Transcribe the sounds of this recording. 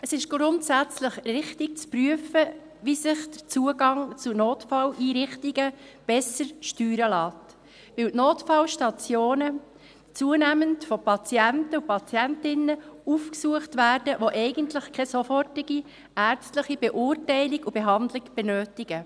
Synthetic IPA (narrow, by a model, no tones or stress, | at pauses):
əsɪʃɡ̥ɾʊntsæt͡sləχrɪχtɪk̚t͡spryəfə | ʋisɪχd̥ət͡suəɡɑŋt͡sunoːtfɑlʔiːɾɪχtiɡəb̥ɛsəɾʃtyːɾəlɑːt | ʋɪwtnoːtfɑlʃtɑt͡sjoːnə | t͡suənæməntfɔpʰɑt͡sjæntəupɑt͡sjæntɪnəufksuəχtʋæːrd̥əʋoʔɛɪɡəntlɪχkʰɛsɔfɔrtɪɡi | æːrt͡stləχib̥ɛʔʊːrtɛɪlɪɡub̥ɛɦɑndlɪɡb̥ɛnøːtɪɡ̥ə